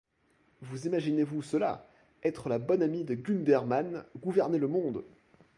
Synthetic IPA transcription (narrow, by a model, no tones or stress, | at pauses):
vuzimaʒinevusəla̰ | ɛt̪χəlabɔnamid̪əɡʲynd̪ɛʁmanɡuvɛʁneləmɔ̃d̪